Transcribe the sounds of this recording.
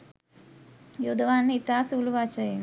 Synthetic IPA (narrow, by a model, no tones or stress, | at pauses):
jod̪ʋaːnːit̪aːsuːluʋaːt͡ʃɐi